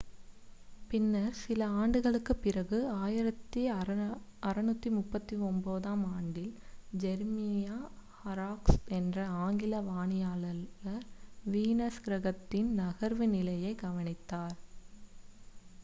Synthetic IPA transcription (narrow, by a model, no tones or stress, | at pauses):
pɪnːɐɾsɪlɐaːɳɖɯɣɐɭɯkːɯpːɪrɐɣɯaːjɪɾɐt̪ːi | ɐɾɐnut̪ːimʊpːɐt̪ːiɔmboːðaːmaːɳɖɪld͡ʒɛɾmɪjaːhɐɾaːksɛndrɐaːŋɡɪlɐʋaːɳɪjaːlɐɣɐɾʋiːnɐsɡɾɐɣɐt̪ːɪnnɐɣɐɾʋɯnɪlɐjɐɪɡɐʋɐnɪt̪ːaːɾ